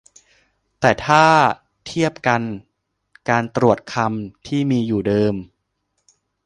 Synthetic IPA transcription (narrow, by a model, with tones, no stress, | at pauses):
t̪ɛː˨˩t̪ʰaː˥˩ | t̪ʰi˥˩əp̚ka˧n | kaː˧nt̪ɾu˨˩ət̪̚kʰa˧mt̪ʰiː˥˩miː˧juː˨˩dɤː˧m